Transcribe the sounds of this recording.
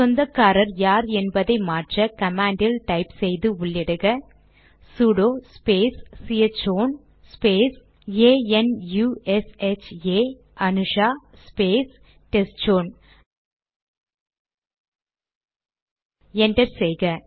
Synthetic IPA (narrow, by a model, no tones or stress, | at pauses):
sɔnd̪ɐkːaːɾɐɾjaːɾɛnbɐðɐɪmaːʈrɐkɐmaːɳɖɪlʈɐɪpsɛjðɯʊɭːɪɽɯɣɐ | suɽoːspeːsːijɐt͡ʃoːn | speːs | eːɛnjuɛsɛt͡ʃeː | ʔɐnɯʂaːspeːs | ʈɛst͡ʃoːn | ɛɳɖɐɾsɛjɣɐ